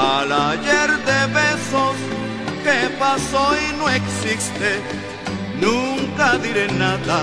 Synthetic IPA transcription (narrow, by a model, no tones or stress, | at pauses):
alaʎeɾd̪eβesos | kepasojnoeksist̪e | nũŋkaðiɾenaða